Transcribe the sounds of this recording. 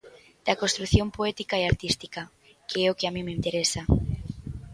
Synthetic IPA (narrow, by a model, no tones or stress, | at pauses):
d̪̥akost̪ɾukθjo̞mpoet̪ikaeaɾt̪ist̪ika | keeokeamĩmeĩnt̪eɾesa